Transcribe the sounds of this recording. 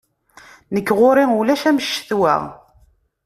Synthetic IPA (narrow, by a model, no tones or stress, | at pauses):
nəkːʁoɾɪŋulæʃæməʃːə̥θwæ̰ʁ